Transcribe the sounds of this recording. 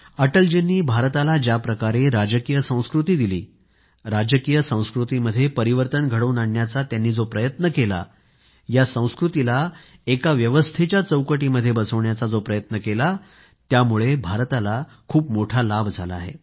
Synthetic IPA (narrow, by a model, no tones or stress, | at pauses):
əʈəld͡ʑenːiːbʱaɾt̪alad͡ʑjapɾəkaɾeɾad͡ʑəkijəsə̃w̃skɾut̪iːd̪iliː | ɾad͡ʑəkijəsə̃w̃skɾut̪iməd̪ʱːjepəɾiʋəɾt̪ənɡʱəɽəunaɳːjat͡sat̪janːiːd͡zopɾəjət̪nəkela̰ | jasə̃w̃skɾut̪ila | ekaʋjəʋəst̪ʰet͡ɕjat͡səwkəʈiːməd̪ʱːjebəsəʋɳjat͡sad͡zopɾəjət̪nəkela | t̪jamuɭebʱaɾt̪ala | kʰuːpmoʈʰalabʱd͡zʱala̰ːɦḛ